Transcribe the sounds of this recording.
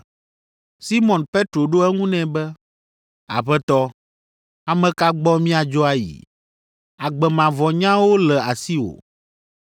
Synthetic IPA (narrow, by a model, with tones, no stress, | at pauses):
si˦mɔ̃˨npe˦t̪ɾo˨ɖo˦ɛ˦ŋũ˦nɛ̃˨bɛ˦ | a̰˨ɸɛ˦t̪ɔ˦ | a˨mɛ̃˨ka˦ɡ͡bɔ˦mĩ˦a˨d͡ʒɔ˦a˦jḭ˨ | a˨ɡ͡bɛ˨mã˨vɔ˨ɲã˦wo˦lɛ˨a˨si˦wo̰˨